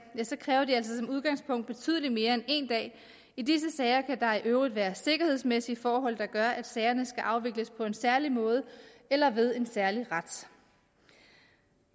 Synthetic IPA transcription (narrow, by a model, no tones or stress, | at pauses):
jæsɒ̽kʰʁɛːʊɐd̥iæl̰sɒsɒ̽muðˠɡ̥ɑ̈ŋspʰɔ̽ŋ̰d̥̚b̥e̝t͡sʰy̰ːð̞ˠlime̝ːɐene̝̰nd̥ɛ̰ː | id̥is̬əsɛɪɐkʰæd̥ɑ̈iʔøʊʁid̥ʋæːɐse̝ɡ̥ɐhe̝ð̞̰ˠsmesifɒːɦɒ̽l̰d̥ɑ̈ɡ̥ɶɐʔæd̥sɛːɪɐnəsɡ̥æʔɑ̈ʊʋe̝ɡ̥ləspʰɒ̽e̝nsæɐlimɔ̽ːð̞ˠəelɐʋe̝ð̞ˠe̝nsæɐliʁad̥